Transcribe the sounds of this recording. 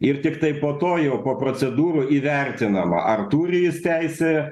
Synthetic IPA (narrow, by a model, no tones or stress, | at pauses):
ɪrt̪ʲɪkt̪ɐɪpoːt̪oːjɛʊpoːpɾoːsʲɛd̪uːɾuːiːʋʲɛɾʲt̪ʲɪnɐmɐ̰ʔɐrt̪uːɾʲɪjɪst̪ʲæɪsʲɛ